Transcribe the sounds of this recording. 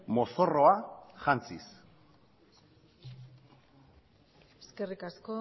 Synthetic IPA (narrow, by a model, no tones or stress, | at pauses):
mo̞so̞ro̞aʝant͡sḭs | eske̞rikasko